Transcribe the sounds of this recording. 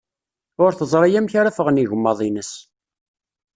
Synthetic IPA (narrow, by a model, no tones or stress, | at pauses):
ʊɾθəzˤɾˤɑjæmçaɾafəʁniʝəmːɑðˤinəs